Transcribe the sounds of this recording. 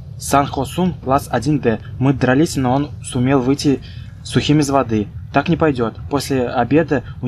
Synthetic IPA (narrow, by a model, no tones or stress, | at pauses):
sanxosumklˠasɐdʲinb̪ɛmɨd̪ɾalʲisʲɪnəonsʊmʲelˠvɨjtʲɪ | suxʲimʲɪzvad̪ɨt̪ːaknʲɪpajdʲo̞t̪posʲlʲɪabʲe̞d̪ɨu